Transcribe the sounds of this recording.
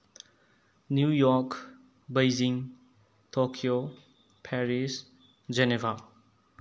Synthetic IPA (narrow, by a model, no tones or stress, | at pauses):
njujɔɾk | bajziŋ | tʰokʰio | pʰɛɾis | d͡ʒenevʱa